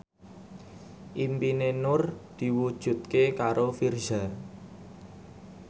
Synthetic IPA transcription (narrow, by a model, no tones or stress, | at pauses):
ʔimpinenʊrd̪̥i̤wud̥ʒ̥ṳt̪̚kekaɾofirʒa